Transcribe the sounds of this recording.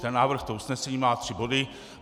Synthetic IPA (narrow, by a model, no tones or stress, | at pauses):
t̪ɛnːaːvr̩xt̪ousnɛsɛɲiːmaːt̪r̥ɪbo̞dɪ